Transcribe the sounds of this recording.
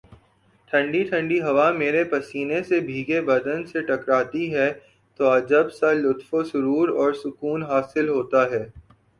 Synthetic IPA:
ʈʰɐ̃ɳɖiʈʰɐ̃ɳɖiɦɐʋameːɾepɐsiːnesebʱiːɡebɐd̪ənseʈɐkɾaːt̪iɦɛ | t̪oɐd͡ʒəbsalʊt̪fosʊɾuːɾɔːɾsʊkuːnɦaːsɪlɦoːt̪aɦɛː

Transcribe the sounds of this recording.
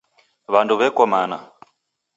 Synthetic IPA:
βanduβɛkɔmana̰

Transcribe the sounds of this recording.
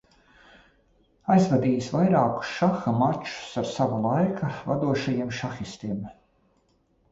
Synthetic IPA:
ajzvad̪iːjsvajɾaːku̥sʃaxamat͡ʃu̥saɾsavalˠajkʰava̰d̪uɔʃajiɛmʃaxist̪iɛm

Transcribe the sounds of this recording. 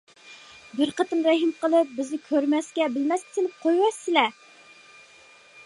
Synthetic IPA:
bɪɾqɑt̪ɨmɾɛɦimqəlˠɨp̚bɪznɪkʲʰøɾmɛskʲɛbɪlmɛskʲɪ̥sɪlɪp̚qʰojwɑsːɪlɛ

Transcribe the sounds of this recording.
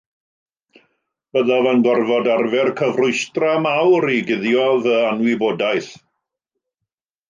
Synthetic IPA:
b̥əðavanɡɔrvɔdarvɛrkʰəvrʊɨstramawɾiɡɪðjɔðəanwiboːdajθ

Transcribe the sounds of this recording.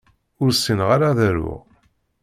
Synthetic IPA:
ʊɾsinʁaɾaðæɾʊ̰ʁ

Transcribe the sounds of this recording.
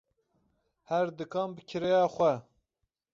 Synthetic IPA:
hɛɾd̪ɨkʰɑːmbɨkʰɨɾɛjɑːxʷɛ

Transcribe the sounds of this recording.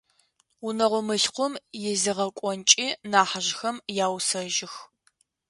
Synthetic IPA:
ʊnɐʁʷʊmɨɬqʷʊmjɛzɨʁɐkʷʼɔnt͡ʃʼiːnaːħaʒxɐmjaːwsɐʒɪx

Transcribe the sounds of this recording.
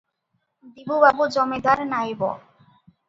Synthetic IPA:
d̪ibubabud͡ʑɔmed̪aɾnajbɔ̰

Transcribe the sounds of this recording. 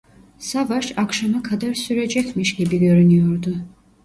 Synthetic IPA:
savaʃakʃamakʰad̪aɾsyɾɛd͡ʒɛkmiʃɡibiɡøɾynyjɔɾd̪u

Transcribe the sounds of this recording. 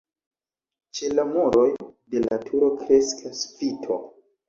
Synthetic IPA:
t͡ʃe̞lamuɾo̞jde̞latʰuɾo̞kɾe̞skʰasfitʰo

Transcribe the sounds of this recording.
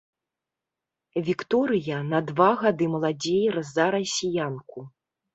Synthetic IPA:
vʲikt̪ɔɾɨjɐnɐd̪vaɣad̪ɨmɐlˠad͡zʲejɾɐzːaɾɐsʲijanku

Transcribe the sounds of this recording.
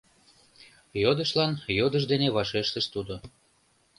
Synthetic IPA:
jod̪əʃlɑnjod̪əʒd̪eneβɑʃeʃt̪əʃt̪ud̪o

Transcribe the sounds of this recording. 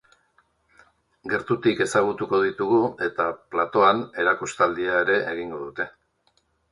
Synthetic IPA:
ɡe̞ɾt̪ut̪ike̞saɣ̞ut̪uko̞ðit̪uɣue̞t̪aplat̪o̞ane̞ɾakust̪ald̪iaeɾe̞ʔeɣiŋɡo̞ðut̪e̞

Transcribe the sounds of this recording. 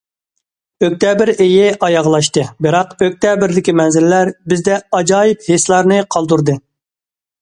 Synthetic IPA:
øk̚ʲt̪ʰɛbɪɾejɪʔɑjɑʁlˠɑʃt̪ɨbɨɾɑqøk̚ʲt̪ʰɛbɪɾd̪ɪkʲimɛnzɪlːæɾbɪzd̪ɛɑd͡ʒɑːjɪpheslˠɑɾnɨqʰɑlˠd̪uɾd̪ɨ

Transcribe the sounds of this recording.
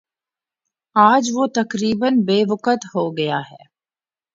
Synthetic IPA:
aːd͡ʒʋot̪ɐkɾiːbənbeːʋʊkət̪ɦoɡɐjaɦɛ̰ː

